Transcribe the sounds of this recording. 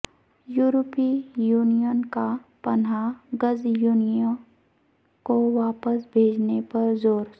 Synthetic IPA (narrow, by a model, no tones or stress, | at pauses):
juːɾopijuːnijənkapɐnaɡəzjuːnijə̃ | koʋaːpəsbʱeːd͡ʒnepɐɾzoːɾ